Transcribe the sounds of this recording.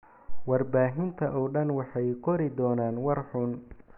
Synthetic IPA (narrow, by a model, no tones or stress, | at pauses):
wɑrbaːɦɪnt̪ʰɐʔɔːɖɐnwɑħɑjqʰɔɾɪd̪ɔːnaːnwɑrħʊn